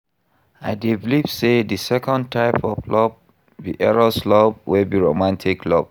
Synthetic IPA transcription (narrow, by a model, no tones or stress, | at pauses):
aɪdivlivsedisɛkɔ̃ntʰaɪpʰɔflɔb̚ | biʔɛɹɔslɔb̚wibiɹomãntʰikʰlɔb̚